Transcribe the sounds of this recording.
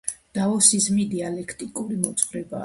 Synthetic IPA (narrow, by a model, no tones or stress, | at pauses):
d̪̥aɔsizmid̪ialɛkʰt̪ʼikʼuɾimɔt̪sʼvɾɛba̰